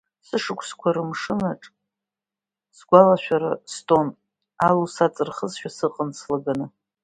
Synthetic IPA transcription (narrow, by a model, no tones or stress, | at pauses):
sɨʂɨkʷʰskʷʰaɾɨmʂɨnaʈ͡ʂʼ | sɡʷalaʃᶣaɾa̰stʼon | alusat͡sʼɨrχəzʃᶣasɨqʼənt͡sʰlaɡanɨ